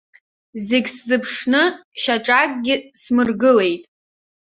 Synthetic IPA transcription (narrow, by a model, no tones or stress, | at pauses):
zeɡʲszɨpʰʂnɨʃaʈ͡ʂʼakʼɡʲɪsmɨrɡɨle̞jtʼ